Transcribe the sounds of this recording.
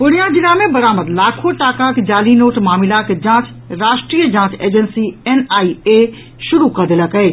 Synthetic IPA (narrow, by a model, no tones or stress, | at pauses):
pʊɽ̃ijãd͡ʒ̪ɪlamẽbɐɾaːməɾlaːkʰoʈaːkaked͡ʒaːlinoːʈmaːmɪlaked͡ʒãːt͡ʃ | ɾaːʃʈɾiːjəd͡ʒãːt͡ʃeːd͡ʒənsiɛnaːie | ʃʊɾukɐɾd̪ɪləkɛː